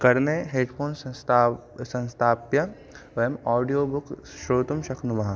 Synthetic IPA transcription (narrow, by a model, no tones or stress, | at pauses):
kɐɾneɦeːɖpʰoːnt̪ː | sɐ̃nst̪ʰaːpjɐ | ʋɐjɐmɔːɖijoːbʊkʃɾoːt̪umʃɐkʰnumɐɦã